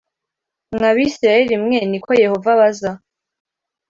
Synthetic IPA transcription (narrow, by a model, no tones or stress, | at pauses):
ŋaβisɾaeɾimŋenikʰo̞je̞ho̞vaβaza